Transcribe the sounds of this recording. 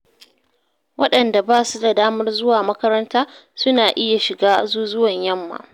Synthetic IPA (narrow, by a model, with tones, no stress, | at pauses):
wɐ˦ɗɐ˨nda˨baː˦su˦da˨daː˦mɐ˦rzʊ˦waː˨mɐ˦kɐ˦ɾɐ˦ntaː˦sʊ˦naː˨ʔɪ˦ja˨ʃɪ˨ɡaː˦zuː˦zʊ˦wɐ˨ɲjɐ˦mːa̰˨ʔ